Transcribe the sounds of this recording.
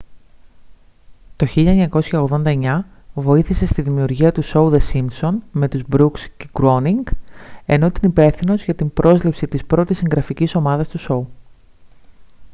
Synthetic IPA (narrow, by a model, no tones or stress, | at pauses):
t̪o̞çiʎɐeɲɐko̞sçɐo̞ɣðo̞nd̪ɐe̞ɲɐ | vo̞iθise̞st̪iðimiuɾʝiɐt̪uso̞uðe̞simso̞nme̞t̪uzbɾuksceɡɾoniŋɡe̞no̞t̪inipe̞θino̞zʝɐt̪imbɾo̞zlipsit̪ispɾo̞t̪isiŋɡɾɐficiso̞mɐðɐst̪uso̞u